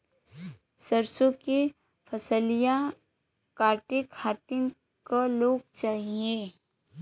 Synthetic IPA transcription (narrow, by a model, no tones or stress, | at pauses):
səɾsõke | pʰɐsəlija | kaːɾʈɪkhaːt̪ɪn | kaloːɡ̚t͡ʃaːɦie